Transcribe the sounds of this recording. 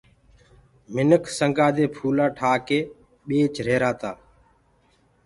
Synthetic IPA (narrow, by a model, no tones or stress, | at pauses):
mɪnəkʰsəŋɡaːd̪eːpʰuːlaːʈʰaːkeː | ɓeːt͡ʃɾeːɾaːt̪aː